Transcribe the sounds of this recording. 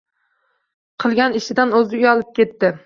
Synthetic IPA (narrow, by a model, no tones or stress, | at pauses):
qʰɨlˠɡʲanɪʃɪd̪anɵzɪʊjɒlˠɪp̚kʲe̞t̪ːɪ